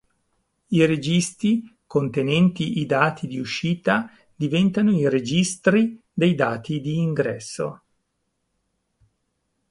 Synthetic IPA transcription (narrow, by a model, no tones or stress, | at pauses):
iɾed͡ʒist̪ikont̪enɛnt̪iʔid̪aːt̪ʰid̪iuʃiːt̪a | d̪ivɛnt̪anoiɾed͡ʒist̪ɾi | d̪ejd̪aːt̪id̪iːŋɡɾɛsːo̰